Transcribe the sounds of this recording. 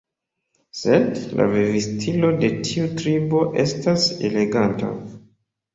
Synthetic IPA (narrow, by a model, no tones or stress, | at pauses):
se̞dla̰vivistʰilo̞de̞tʰiutɾibo̞ʔe̞stase̞le̞ɡanta̰